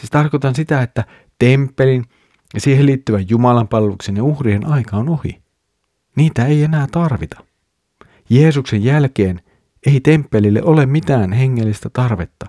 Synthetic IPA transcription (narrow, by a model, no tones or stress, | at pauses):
siːst̪ɑrkot̪ɑnsit̪æet̪ːæ | t̪e̞mpːelin | siːheliːt̪ːyʋæjjumɑlɑmpɑlʋuksinjeuhrienʔɑjkɑonohḭ | niːt̪æe̞je̞næːt̪ɑrʋit̪ɑ̥ | je̞ːsukse̞jjælke̞ːn | e̞it̪e̞mpːe̞lilːḛʔo̞le̞mmit̪æːnɦe̞ŋːelːist̪æt̪ɑrʋe̞t̪ːɑ